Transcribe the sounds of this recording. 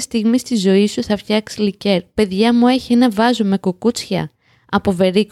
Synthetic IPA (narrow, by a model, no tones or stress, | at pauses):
st̪iɣmist̪izo̞isuθɐfçɐksilice̞ɾpe̞ðʝɐmue̞çie̞nɐvɐzome̞kukut͡sçɐ̰ | ɐpo̞ve̞ɾik